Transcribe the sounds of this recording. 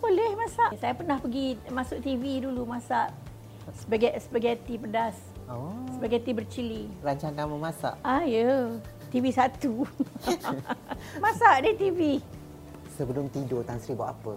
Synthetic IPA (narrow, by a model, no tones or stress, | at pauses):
bolɛhmãsaʔsajapərnahpəɡimasʊʔ̚t̪ividulumãsaʔ | səbəɡaʔsəbaɡat̪ipədas | osəbaɡat̪ibərt͡ʃiliɾaɲt͡ʃaŋkaməmasa̰ʔajə | t̪ivisat̪u | mãsaʔdɪt̪ivi | səbəlʊmt̪idot̪aŋsəɾibʊt̪apə